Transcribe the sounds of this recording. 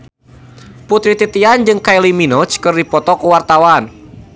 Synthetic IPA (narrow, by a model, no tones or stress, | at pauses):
put̪ɾit̪it̪iand͡ʒɨŋkajliminɔt͡ʃkərdipɔt̪ɔkuwart̪awan